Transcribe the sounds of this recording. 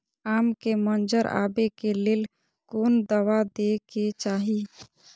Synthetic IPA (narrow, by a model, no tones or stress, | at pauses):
aːmkemənd͡ʒəɾa̰bekeleːl | kond̪əʋad̪eket͡ʃaːɦi